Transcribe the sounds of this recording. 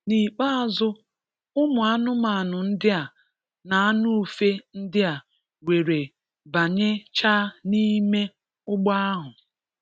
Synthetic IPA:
ni˨k͡pa˦a˨zʊ˦ | ʊ˦mʊ˨a˦nʊ˦ma˨a˨nʊ˨n̩˦dɪ˦a˨ | na˨a˦nʊ˦˨fe˦n̩˦dɪ˦a˨ | we˨ɾe˨ | ba˨ɲe˦t͡ʃa˦ni˦me˦ | ʊ˦ɡ͡ba˦a˦ɦʊ˨

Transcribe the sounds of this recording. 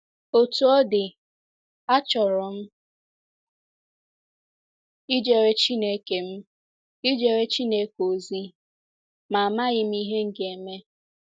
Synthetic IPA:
o˨tu˨ɔ˦dɪ˨ | a˦t͡ʃɔ˨ɾɔ˨m̩˦ | i˦d͡ʒe˨ɾe˦t͡ʃi˦ne˦ke˨m̩˦ | i˦d͡ʒe˨ɾe˦t͡ʃi˦ne˦ko˨zi˦ | ma˨a˨ma˦ɣɪ˦m̩˦i˦ɦe˦ŋ̩˦ɡe˨me˦

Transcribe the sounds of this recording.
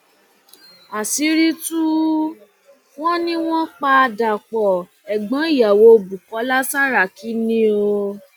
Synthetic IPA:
a˨si˨˦ɾi˦tu˦ | w̃ɔ̃˦nĩ˦w̃ɔ̃˦k͡pa˧da˨k͡pɔ˨ | ɛ˨ɡ͡bã˨˦i˦˨ja˨wo˧˦bu˨kɔ˨˦la˦sa˦ɾa˨ki˨˦nĩ˦o˧

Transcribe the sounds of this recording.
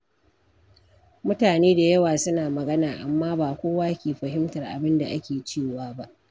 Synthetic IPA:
mʊ˦taː˨neː˦da˨jɐ˦waː˨sʊ˦naː˨mɐ˨ɡɐ˦naː˨ʔa˨mːaː˦baː˨kʷoː˦waː˦kʲeː˨ɸɐ˨ɦɪ˦mtɐ˨rʔa̰˨bɪ˦nda˨ʔa̰˦kʲeː˨t͡ʃeː˦˨waː˦ba˦ʔ

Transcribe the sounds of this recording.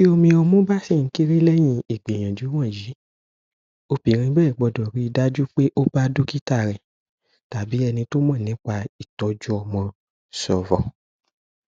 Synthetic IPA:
ki˦o˧mĩ˧ɔ˧mũ˦ba˦si˦˨ŋ̩˦ki˦ɾi˦lɛ˦j̃ĩ˧i˨ɡ͡bẽ˨j̃ã˨d͡ʒu˨˦w̃ã˦˨ji˨˦ | o˧pĩ˨ɾ̃ĩ˧bɛː˦˨ɡ͡bɔ˧˨dɔ˨ɾi˨˦i˧da˦d͡ʒu˦k͡pe˦ʔo˦ba˦du˦ki˦ta˦˨ɾɛ˨ | ta˨bi˨˦ɛ˧nĩ˧to˦mã˦˨nĩ˨˦k͡pa˧i˨tɔ˧˦d͡ʒu˦ɔ˧mɔ̃˧ | sɔ˨vɔ˨

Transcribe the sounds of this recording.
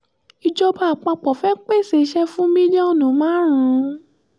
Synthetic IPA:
i˧d͡ʒo˧ba˧˨a˨k͡pa˧k͡pɔ˨fɛ˦k͡pe˦˨se˨˦ʃɛ˧fũ˦mĩ˦d͡ʒo˦˨nũ˨˦mãː˦ɾ̃ũ˨˦

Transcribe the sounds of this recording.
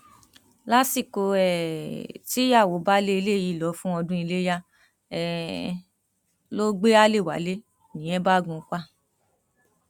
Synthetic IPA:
la˦si˦˨ko˧ɛ˨ti˦ja˦˨wo˨˦ba˦le˦i˧le˦˨ji˦˨lɔ˨˦fũ˦ɔ˧dũ˦i˧le˦ja˦ | ɛ˧ | lo˦ɡ͡be˦a˦le˦˨wa̰˨˦le˦ | nĩ˨˦ɛ̃˦ba˦˨ɡũ˧˦ka˦

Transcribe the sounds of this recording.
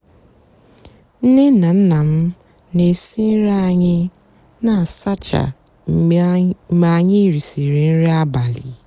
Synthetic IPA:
n̩˦nɪ˦na˨n̩˦na˨m̩˦ | ne˨si˦n̩˦ɾa˦a˨ɲɪ˦ | na˨sa˦t͡ʃa̰˨˦ | ma˨ɲɪ˦ɾi˨si˨ɾi˨n̩˦ɾɪ˦a˦ba˨lḭ˨

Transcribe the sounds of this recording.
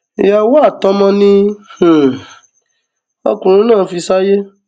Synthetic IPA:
i˨ja˧wa˦˨tɔ˦mɔ̃˧nĩ˧˨ | ɔ̰˧kũ˨ɾ̃ũ˦nãː˦˨˦fi˧sa˦je˦

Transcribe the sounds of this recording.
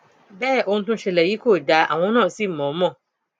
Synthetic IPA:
bɛ˦˨ʔo˦n̩˦tʊ̃˦ɕɛ˨lɛ˨ji˦kʰo˦˨da˨˦ʔa̰˨wɔ̃˦nɔ̃˦˨si˦m̩˨mɔ̃˨˦mɔ̃˦˨

